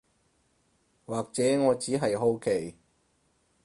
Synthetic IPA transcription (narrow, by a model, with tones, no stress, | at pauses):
waː˨k̚t͡sɛː˨˥ŋɔː˨˧t͡siː˨˥ɦɐ˨jɦo˧wkʰe˨˩j